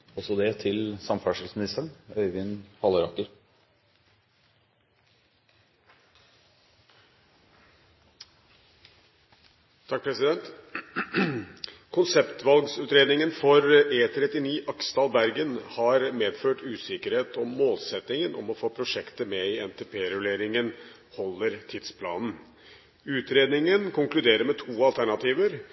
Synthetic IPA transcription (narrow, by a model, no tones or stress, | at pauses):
ɔsɔd̪ɛt̪ʰɪlsɑmfæʂəlsmɪnɪst̪əɳœʏʋɪnhɑləɾɑkːəɾ | t̪ʰɑk̚pʰɾɛsɪd̪ɛnt̪ | kʰʊnsɛpt̪ʋɑlɡsʉːt̪ɾeːd̪nɪŋənfɔɾeːt̪ʰɾɛt̪ɪniːʔɑkst̪ɑːlbæɾɡənhɑɾmeːd̪føːʈʉːsɪkəɾheːt̪ʰɔmːoːlsɛt̪nɪŋənʔɔ̰mɔfoːpʰɾʊʂɛkt̪əmɛɪɛnt̪ʰeːpʰeːɾʉleːɾɪŋən | hɔlːəɾt̪ʰɪd̪spʰlɑ̰ːnn̩ | ʉːt̪ɾeːd̪nɪŋənkʊŋklʉd̪eːɾəɾmɛt̪ʰuːɑlt̪ʰæɳɑt̪ʰiːʋəɾ